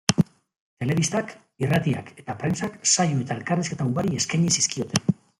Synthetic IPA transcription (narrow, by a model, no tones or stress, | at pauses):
t̪e̞le̞β̞ist̪ak | irat̪ia̰ke̞t̪apɾe̞nsaksajue̞t̪ae̞lkariske̞t̪aubaɾie̞skajɲisiskio̞t̪e̞n